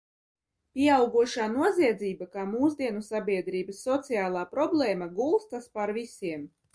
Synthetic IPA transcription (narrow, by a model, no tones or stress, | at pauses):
pʲiɛawɡuɔʃaːnuɔziɛd̪zʲiːbakaːmuːzd̪ʲiɛnusabʲiɛd̪ɾiːbəsːɔt̪sijaːlˠaːpɾɔblˠɛːmaɡulˠst̪aspaɾvisʲiɛm